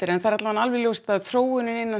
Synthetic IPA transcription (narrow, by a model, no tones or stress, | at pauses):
ɪɾɛnθaɾat̪lavanalvɪljowst̪aðθɾoːwʏnɪnɪnːa